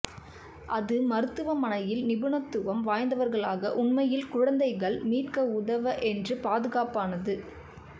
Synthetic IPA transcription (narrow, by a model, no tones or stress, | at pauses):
ʔɐðɯmɐɾɯt̪ːɯʋɐmɐnɐjɪlnɪbɯɳɐt̪ːɯʋɐmʋaːjnd̪ɐʋɐɾɣɐɭaːɣɐ̰ʔʊɳmɐjɪlkʊɻɐnd̪ɐɪɣɐɭmiːrkɐʊðɐʋɐʔɛndrɯpaːðɯɣaːpaːnɐðɯ